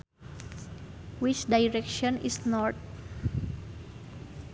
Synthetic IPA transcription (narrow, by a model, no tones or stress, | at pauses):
wit͡ʃdajɹɛkʃɔ̃nisnɔt̚